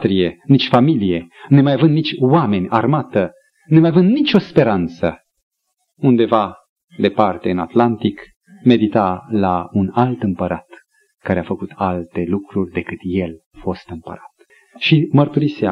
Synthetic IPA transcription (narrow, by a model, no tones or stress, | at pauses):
t̪ɾije̞nit͡ʃʲfamilije̞nemajavɨnd̪nit͡ʃʲwame̞nʲarmat̪ə | nemajavɨnd̪nit͡ʃo̞spe̞ɾant̪sə | und̪e̞va | d̪e̞part̪e̞ɨnat̪lant̪ik | me̞d̪it̪alaunalt̪ɨmpəɾat̪ | kaɾeafəkut̪ʰalt̪e̞lukɾurʲd̪e̞kɨt̪je̞lafo̞st̪ɨmpə̰ɾat̪ | ʃimərt̪uɾisea